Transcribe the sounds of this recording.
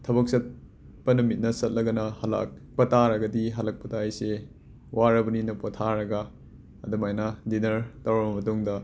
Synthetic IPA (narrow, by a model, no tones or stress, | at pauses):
tʰɐbɐk̚sɐt̚ | pɐnɐmit̚nɐsɐt̚lɐɡɐnɐhɐla̰k̚pɐtaɾɐɡɐdiɦɐlɐk̚pɐtajse | waɾɐbɐninɐpotʰaɾɐɡɐ | ɐdɐmajnadinɐɾtɐwɐbɐmɐtuŋdɐ